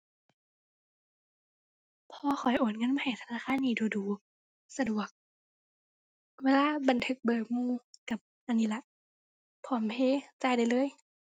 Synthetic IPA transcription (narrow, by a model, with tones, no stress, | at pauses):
pʰɔː˧˦xʰɔ˨˩˦jʔoː˨˩˦t̚ŋɤ˧˥˨ma˧ha˨˩jt̪ʰa˧naː˧˨xʰaː˧˥˨nːiː˧˩duː˧˩duː˨˩˦ | sa˧du˨˩ək̚ | weː˧˥laː˧˥˨ba˨˩nt̪ʰɯ˧˥k̚bɤː˨˩k̚muː˧˨ka˨˩p̚ʔa˧˨nːiː˧˥la˧ʔ | pʰːɔː˨˦npʰeː˧˨t͡ɕaː˧˩˨jda˨jlɤː˧˥˨j